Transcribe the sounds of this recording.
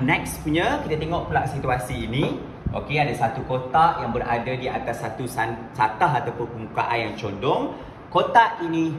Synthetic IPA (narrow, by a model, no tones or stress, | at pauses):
nɛk̚spuɲãkit̪at̪eŋɔʔpulaʔsit̪uasiːnĩ | ʔo̰keadasat̪ukot̪aʔjaŋbəɾadadiat̪asːat̪usasat̪aɦat̪awpʊnpəmukaʔanjaŋt͡ʃondɔŋ | kot̪aʔinĩ